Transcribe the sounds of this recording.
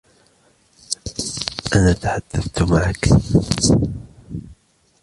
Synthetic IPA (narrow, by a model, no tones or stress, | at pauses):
ʔanaːt̪aħad̪̥ːaθt̪maʕak